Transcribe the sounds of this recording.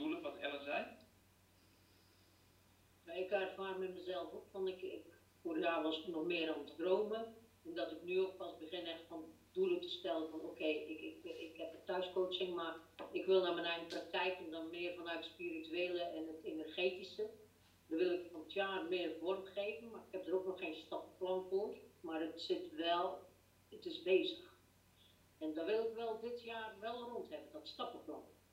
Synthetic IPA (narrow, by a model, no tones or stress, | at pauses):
duləʋɔtɛ̰rəsɛj | jaɪkatfaːtmɛtməzɛlˠfupfɔnɪkɪk | foːrjaːʋɔsɪknɔxmɪːəɾɔmtdroːmə | ɛndɔtɪknyok̚pasbəχɪnɛxtfɔndulˠətə̥stɛlˠənfɔnoːkʰeːɪkɪkɪkhɛp̚ətœɥskoːt͡ʃɪŋmarɪkʋɪlˠnamɛnɛjɣənprak̚tɛjkəndɔnmɪːrfɔnœɥtətspirityeːlˠəɛnətenərχeːtisə | dɔʋɪlˠɪkfɔnətʰjaːrmɪərvɔrχeːvən̩marɪkhɛp̚dəroknɔxeːnstɔpəplɔnfoərmarətsɪtʋɛlˠ | ətɪsbeːzəx | ɛndɔːʋɪlˠɪkʋɛlˠdɪtjaːrʋɛlˠronthɛvəndɔtstɑpɪknɔx